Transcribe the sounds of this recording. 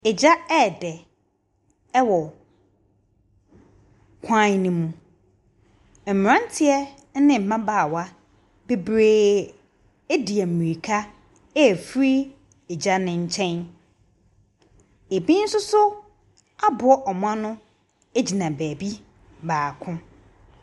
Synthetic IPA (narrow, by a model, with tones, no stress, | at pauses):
ɛ˨d͡ʑa˦ɛ˦˨dɛ˨ | ɛ˦wɔ˨ | kʷʰã˦nĩ˦mũ˨ | m̩˨mɪ̃˨ɾã˦n˦tʰɪ˦ɛ˦ | nɪ̃˨m̩˨mã˦baː˨wa˦ | be˦bɾeː˦ | e˦di˨ɛ˨m̩˨mĩ˨ɾi˨kʰa˦ | ɛ˦˨fɾi˦ | e˨d͡ʑa˦nɪ̃˨ɲ̩˦t͡ɕʰɛ̃˦n | e˨bi˦n̩˦sʊ˦sʊ˦ | a˦bʊ˨ɔ˦ʔɔ˨mʊ̃˦ã˦nʊ̃˦ | e˦d͡ʑi˨nã˨bæː˨bi˦ | baː˨kʰʊ̃˦